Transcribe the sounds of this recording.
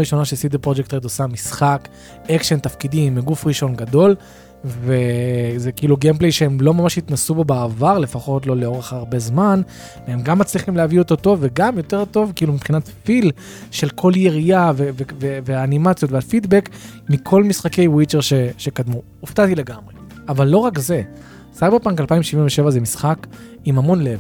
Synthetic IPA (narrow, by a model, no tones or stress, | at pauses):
ʁiʃo̞naʃesid̪eʁpʁod͡ʒek̚t̪ʁedosamisχak | ekʃent̪afkidimːiɡufʁiʃo̞nɡado̞l | vezekiːluɡemplejʃehemlomamaʃhit̪nasubobaːvaʁle̞faχo̞tlo̞leo̞ʁeχaʁbe̞zman | veemɡamːat͡sliχimleavioto̞to̞vːeɡamjo̞te̞ʁto̞vkiilumipχinatfil | ʃe̞lkʰo̞ljeʁiaveveveveaːnimat͡sjo̞tvafid̪bek | mikʰo̞lmisχake̞jwit͡ʃeʁʃeʃe̞kadmu | uftat̪ile̞ɡamʁe̞ | avalːo̞ʁakze̞ | sajbeʁpaŋkalpaimʃivinveʃe̞vazemisχak | imamo̞nle̞v